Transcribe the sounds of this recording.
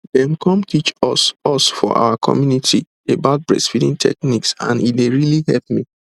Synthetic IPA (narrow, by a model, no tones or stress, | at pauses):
dɛ̃mkʰɔ̃mtʰit͡ʃɔsɔsfɔ̰ʔa̰ʊakʰɔ̰mjunitʰi | ebaʊt̚bɹɛ̰sfidĩntʰɛ̰kniksã̰nitdeɹilihɛlp̚mi